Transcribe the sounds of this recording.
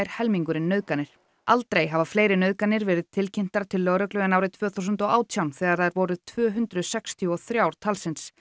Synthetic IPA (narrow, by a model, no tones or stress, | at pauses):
ɾ̥hɛlmiŋkʏɾɪnːœːðkanɪɾ̥ | alt̪ɾejɦavafleːjɾɪnœːkanːɪɾvɛːɾɪð̥t̪ʰɪlcʰɪn̥t̪aɾ̥t̪ʰɪlːœɣɾœklʏɛnaːwɾɪðt̪ʰv̥œːθawsʏnt̪ɔaːwt̪ʰjawnθɛːɣaɾθaðɪɾvɔːɾʏðt̪ʰvœːɦʏnt̪ɾʏðsɛkst̪ʰiɔθɾjawɾ̥t̪ʰalsɪns